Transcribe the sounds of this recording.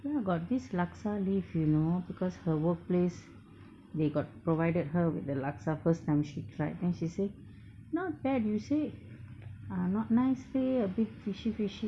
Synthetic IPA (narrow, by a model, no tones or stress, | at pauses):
jaɡɔt̚dislaksalifjunobikɔshəwək̚ples | deɡɔt̚pɹovaɪdəd̚həwḭtdəlaksafəstãɪ̃mʃitʰɹaɪt̚dɛ̃nʃise | nabɛdjuse | anɔt̚naɪsteəbit̚fiʃifiʃi